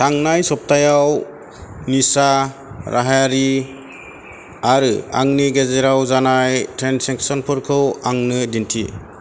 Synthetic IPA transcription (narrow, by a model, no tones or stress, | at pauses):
tʰaŋnajsɔp̚tʰajaw | nisa | ɾaɦaaɾi | aɾɯa̰ŋniɡezeɾawzanajtʰɾenseŋsɔnpʰɯɾkʰɯwaŋnɯdintʰḭ